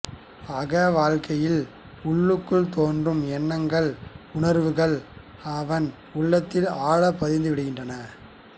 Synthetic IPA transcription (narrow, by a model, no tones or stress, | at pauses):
ɐɣɐʋaːɻkɐjɪl | ʊɭːɯkːɯɭt̪oːndrɯmɛnːɐŋɡɐɭʊɳɐɾʋɯɣɐɭ | ɐʋɐn | ʊɭːɐt̪ːɪlaːɭɐpːɐðɪnd̪ɯʋɪɽɯɣɪndrɐnɐ